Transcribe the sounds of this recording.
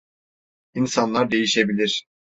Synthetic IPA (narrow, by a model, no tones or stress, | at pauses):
insanlˠaɾd̪e̞jiʃe̞bilʲiɾ̥